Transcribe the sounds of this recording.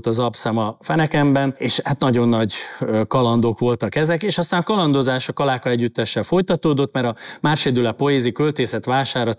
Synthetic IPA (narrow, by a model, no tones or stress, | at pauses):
lt̪ɒzɒpsaːmɒfɛnɛkɛmbɛneːʃat̪nɒɟo̞nːɒɟkɒlɒnd̪oːkʋo̞lt̪ɒkɛzɛkeːʃɒst̪aːnɒkɒlɒnd̪ozaːʃɒkɒlaːkɒɛɟːyt̪ːɛʃːɛlfo̞jt̪ɒt̪oːd̪o̞t̪ːmɛɾɒmaːrʃeːd̪ylɛpo̞jeːzikølt̪eːsɛt̪ʋaːʃaːrɾɒt̪